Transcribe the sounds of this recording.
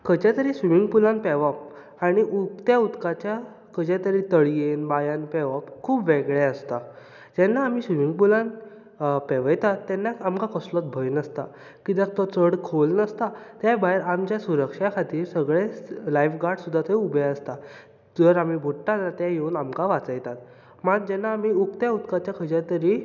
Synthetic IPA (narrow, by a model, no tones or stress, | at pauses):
kət͡ɕat̪əɾisʋimiŋɡpulãnpɛʋap | aɽ̃iʔut̪jaut̪kat͡ɕja | kəd͡ʑat̪əɾit̪əɭjenbajanpɛʋapkʰuːbʋeɡɭɛəst̪a | d͡ʑɛnːaːm̤iːsʋimiŋɡpulãn | pɛʋəjt̪at̪ɛnːakamkakəslɔt̪bʱəjnəst̪a | kid̪ãk̚t̪ɔt͡səɽkʰolnəst̪at̪jabaeɾamt͡ɕjasuɾəkʂakʰat̪iːɾsəɡɭelajfɡaɾɽsud̪ʱːat̪əubɛəst̪a | d͡zəɾamibʱuʈʈanat̪jajeunamkaʋat͡səjt̪at̪̚ | maɡ̚d͡ʑɛnːaːmiukt̪jaut̪kat͡ɕjakʰəd͡ʑat̪əɾi